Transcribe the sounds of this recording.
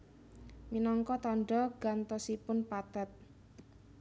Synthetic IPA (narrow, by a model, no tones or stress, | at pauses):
minɔŋkɔt̪ɔɳɖɔɡ̥ant̪ɔsipʊnpat̪at̪̚